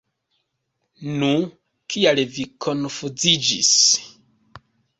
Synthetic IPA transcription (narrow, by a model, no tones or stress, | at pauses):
nu | kʰialvikʰonfud͡zid͡ʒḭs